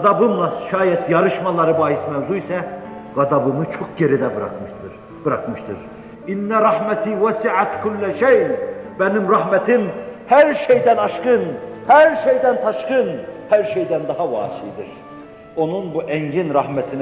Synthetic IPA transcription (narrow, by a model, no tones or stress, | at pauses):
d̪ɑbɯmlˠɑʃɑːjɛt̪ʰjɑɾɯʃmɑlˠɑɾɯbɑːjismævzuisɛ | ɡ̥ɑd̪ɑbɯmɯt͡ʃʰoχɟeɾid̪æbɾɑ̰k | b̥ɯɾɑkmɯʃt̪ʰɯɾ | inːæɾˤɑhmæt̪ʰiːwæsiʕat̪kʰulːæʃejbænimɾɑhmæt̪ʰimhæɾʃejd̪ænɑʃqɯnhæɾʃejd̪ænt̪ʰɑʃqɯnhæɾʃejd̪ænd̪ɑɦɑwɑ̰ːt͡ʃʰijd̪iɾ | onunbuʔæŋɟinɾɑhmæt̪ʰin